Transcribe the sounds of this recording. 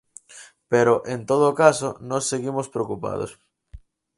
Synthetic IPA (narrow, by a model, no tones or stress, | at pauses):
peɾoʔent̪oðoːkasonosːeɣimospɾeokupa̰ð̞o̰s